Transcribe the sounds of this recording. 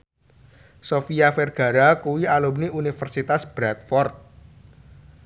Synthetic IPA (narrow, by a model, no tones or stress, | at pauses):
sofiafɛrɡ̥a̤ɾakuwialumniunifərsit̪asb̥ɾat̪̚fɔrt̪̚